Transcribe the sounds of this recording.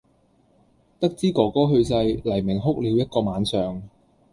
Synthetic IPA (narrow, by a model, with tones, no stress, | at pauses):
t̪ɐ˥k̚t͡siː˥kɔː˨˧kɔː˥ɦɵ˧ɥsɐ˧jlɐ˨˩jmɪ˨˩ŋɦʊ˥k̚liː˨˧wjɐ˥t̚kɔː˧maː˨˧nsœː˨ŋ